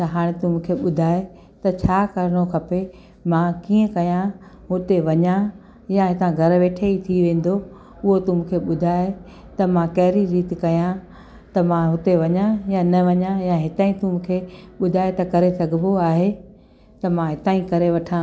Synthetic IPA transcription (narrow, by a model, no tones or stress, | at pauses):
t̪ɐɦaːɽ̃ɪt̪ʊm̃ːkʰeɓʊd̪ʱaːe | t̪ɐt͡ɕʰaːkɐɾɪɽ̃okʰɐpe | mãkiːə̃kɐjã | ɦʊt̪eʋɐɲã | jãɦɪt̪ãɡʱɐɾʋeːʈʰeit̪ʰiʋẽːn̆d̪o | ʊɦot̪ʊmʊ̃kʰeɓʊd̪ʱaːe | t̪ɐmãkɐɦɪɾiɾiːt̪ɪkɐjã | t̪ɐmãɦʊt̪eʋɐɲãjãnɐʋɐɲãjãɦɪt̪aːĩt̪ʊm̃ːkʰeɓʊd̪ʱaːet̪ɐkɐɾesɐɡʱɪmoaːɦe | t̪ɐmãɦɪt̪aːĩkɐɾeʋɐʈʰãː